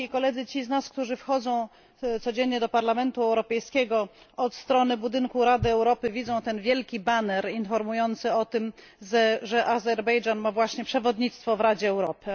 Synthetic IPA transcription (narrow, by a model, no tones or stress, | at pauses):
ikɔlɛd̪zɘt͡ɕiznaskt̪uʐɘfxɔd̪zɔ̃w̃ | t̪sɔd͡ʑeɲɲɛd̪ɔpaɾlamɛnt̪uɛwɾɔpɛjskʲɛɡɔ | ɔt̪st̪ɾɔnɘbud̪ɘŋkuɾad̪ɘɛwɾɔpɘvʲidzɔ̃w̃t̪ɛnvʲjɛlkʲibanɛɾinfɔɾmujɔnt̪sɘɔt̪ɘm | zɛʐɛʔazɛɾbɛjd͡ʐanmavwaɕɲɛpʂɛvɔd̪ɲit̪st̪fɔvɾad͡ʑɛːwɾɔpɘ